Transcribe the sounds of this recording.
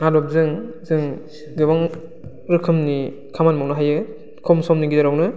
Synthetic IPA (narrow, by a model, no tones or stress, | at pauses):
naɾɔp̚zɯŋzɯŋ | dɯbaŋ | ɾɯkʰɯmni | kʰamanmawnɯɦajɯ | kʰɔmsɔmniɡidaɾawnɯ